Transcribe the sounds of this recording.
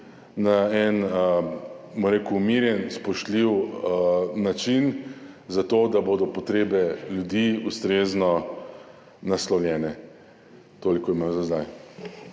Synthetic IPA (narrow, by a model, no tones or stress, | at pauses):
naɛn | bɔɾeːkuːmiɾjɛnspɔʃt̪liw | nat͡ʃinzat̪oːd̪aboːd̪ɔpɔt̪ɾeːbɛljud̪iːust̪ɾeːznɔ | naslɔwlʲjɛːnɛ | t̪oːlikojmamzazd̪aj